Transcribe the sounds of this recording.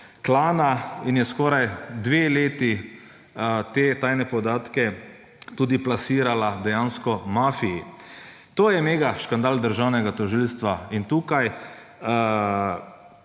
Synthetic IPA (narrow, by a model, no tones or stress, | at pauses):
klaːnainjɛskɔːɾajd̪ʋeːleːt̪i | t̪eːt̪aːjnɛpɔd̪aːt̪kɛ | t̪uːd̪iplasiːɾalad̪ɛjanskɔmaːfiji | t̪oːjɛmeːɡaʃkand̪aːld̪əɾʒawnɛɡat̪ɔʒilst̪ʋaint̪uːkaj